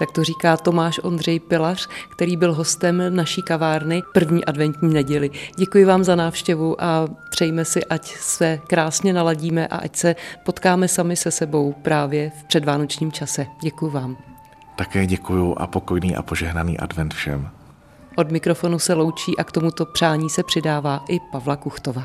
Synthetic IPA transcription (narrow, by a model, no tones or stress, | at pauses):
t̪ak̚t̪or̝iːkaːt̪o̞maːʃʔo̞nd̪r̝ɛjpɪlar̝̥kt̪ɛɾiːbɪlɦo̞st̪ɛmnaʃiːkavaːɾnɪpr̩vɲiːʔadvɛnt̪ɲiːnɛɟɛlɪɟɛkujɪvaːmzanaːfʃcɛvuʔap̪r̝̥ɛjmɛsɪʔacsɛkɾaːsɲɛnalaɟiːmɛʔa̰ʔacsɛpo̞t̪kaːmɛsamɪsɛsɛbo̞wpɾaːvjɛfpr̝̥ɛdvaːno̞t͡ʃɲiːmt͡ʃasɛɟɛkujʊvaːm | t̪akɛːɟɛkujʊʔa̰pokojniːʔa̰poʒɛɦnanḭːʔa̰dvɛnt̪fʃɛ̰m | ʔo̞dmɪkɾo̞fo̞nusɛlo̞wt͡ʃiːʔakt̪o̞mut̪o̞pr̥aːɲiːsɛpr̝̥ɪdaːvaːʔɪpavlakuxt̪ovaː